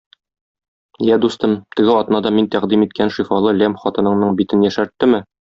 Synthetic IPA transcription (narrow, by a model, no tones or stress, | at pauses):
jæd̪ust̪ɤmt̪ɘ̆ɡɘɒt̪nɑd̪ɑmint̪æqd̪imit̪̚kʰænʃifɑlˠɤlæmχɒt̪ɤ̆nɤ̆ɴnɤɴbit̪ɘnjæʃæɾt̪ːɘmɘ